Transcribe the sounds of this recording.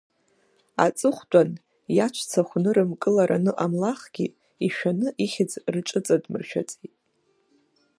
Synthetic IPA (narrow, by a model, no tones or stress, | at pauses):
a̰t͡sʼɨχʷtʷʼan | jat͡ʃʷʰt͡sʰaχʷnɨɾɨmkʼɨlaɾanɨʔamlaχɡ̥ʲi | iʃᶣanɨʔiχʲɪd͡zrt͡ʃʷʼɨt͡sʼadmɨrʃᶣa̰t͡sʼitʼ